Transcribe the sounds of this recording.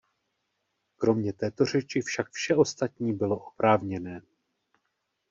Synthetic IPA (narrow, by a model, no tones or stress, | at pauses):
kɾo̞mɲɛt̪ɛːt̪o̞r̝ɛt͡ʃɪfʃakfʃɛʔo̞st̪at̪ɲiːbɪlo̞ʔopɾaːvɲɛnɛː